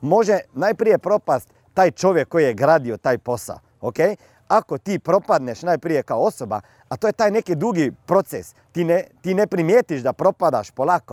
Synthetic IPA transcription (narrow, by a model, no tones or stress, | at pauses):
mo̞ʒɛnajpɾijepɾo̞past̪ːaːjt͡ʃoʋjekːojijeɡɾaːd̪iot̪aːjpo̞sa̰l | okej | akot̪iːpɾo̞pad̪neʃnajpɾijekaoosoba̰ | at̪ojet̪aːjnekid̪uːɡipɾot̪ses | t̪inet̪inepɾimjeːt̪iʃd̪apɾo̞pad̪aʃpolako